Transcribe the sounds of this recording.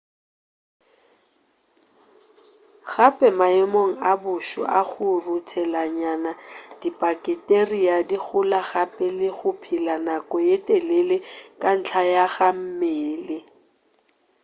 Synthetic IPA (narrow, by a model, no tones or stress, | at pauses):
ɣapʼɛmaɪmoŋ̩abʊʃɔ̰ʔaχʊrutʰɛlaɲanad̥ipʼakʼɪtʼeriadiɣʊlaɣapʼɛlɪχʊpʰilanakʼɔjetʼɛlelɪkʼan̩t͡ɬʰajaɣam̩meːlɪ